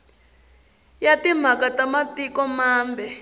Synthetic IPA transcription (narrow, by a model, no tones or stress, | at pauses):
jatim̤akatamatikɔmaːmbʱɛ